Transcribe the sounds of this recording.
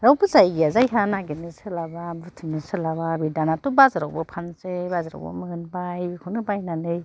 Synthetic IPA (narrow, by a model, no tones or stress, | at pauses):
ɾawpɯzajjazajɦʰanaɡenɯsɯlababɯtʰɯnɯsɯlaβabidanatubazaɾawbɯpʰansebazaɾa̰wbɯ̰mɯɡɯnbajbikʰɔnɯbajnanɯj